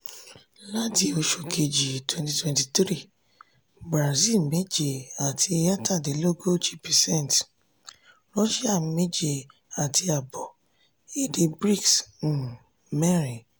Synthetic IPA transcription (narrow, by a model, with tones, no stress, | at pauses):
la˦ti˦o˧ʃo˨ke˨d͡ʒi˨twɛ̃˧nti˨twɛ̃˨ti˨tɾi˦˨ | bɾa˨zi˦˨lme˦d͡ʒe˨a˨tʰi˧ja˦ta˦˨de˨lo˦ɡo˦t͡ʃi˦pɛ˨sɛ̃˦˨nt | ɾɔ˦ʃi˦a˦˨me˦d͡ʒe˨ | a˨tʰi˧a˨bɔ˨ | e˨de˧bɾi˦˨ks̩˨ | mɛ˦˨ɾĩ˨